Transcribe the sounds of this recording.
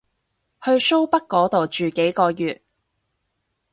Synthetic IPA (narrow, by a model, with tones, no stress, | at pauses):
hɵ˧ɥso˥wpɐ˥kkːɔː˨˥t̪o˨˩wt͡ʃyː˨ke˨˥jkɔː˧jyː˨t̚